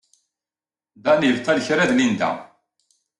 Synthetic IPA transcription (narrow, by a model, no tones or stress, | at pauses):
d̪ænjəvt̪ːælçɾæðnind̪æ̰